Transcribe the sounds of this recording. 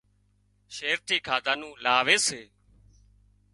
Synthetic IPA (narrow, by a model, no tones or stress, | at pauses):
ʃeːɾt̪ʰiːkʰaːd̪aːnũːlaːʋeːseː